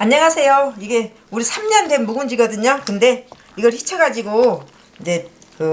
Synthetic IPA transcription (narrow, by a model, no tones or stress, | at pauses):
aɲːʌŋasʰe̞joiɡe̞ | uɾisʰamɲʌndenmːuɡund͡ʑiɡʌdɯɲokɯnde̞ | iɡʌɭçit͡ɕʰʌɡad͡ʑiɡo | ind͡ʑe̞ | kɯ